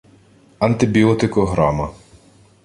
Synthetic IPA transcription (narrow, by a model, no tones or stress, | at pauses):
ɐnt̪ɪbʲiɔt̪ɪkɔɦɾɑmɐ